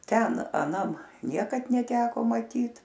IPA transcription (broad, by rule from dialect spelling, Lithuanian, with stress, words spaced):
ˈtʲɛn ɐˈnɐm ˈnʲiɛkɐt nʲɛˈtʲæːkoː mɐˈtʲiːt